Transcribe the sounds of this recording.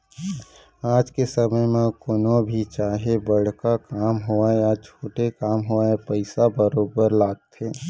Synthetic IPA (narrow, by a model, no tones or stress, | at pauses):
aːd͡ʒkesəməjmẽkonobʱit͡ʃaːɦebəɽ̤kakaːmɦoaeat͡ʃʰoːʈekaːmɦoaepəɪsabəɾoːbəɾlaːɡ̚t̪ʰeː